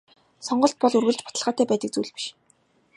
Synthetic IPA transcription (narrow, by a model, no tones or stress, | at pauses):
sɔɴɢɞ̆ɬt̪̚pɔɮurɣɘ̆ɮt͡ɕpɔ̥t̪ə̆ɮʁaːt̪æːpæːt̪ə̆k̚t͡suːɮpi̥ʃ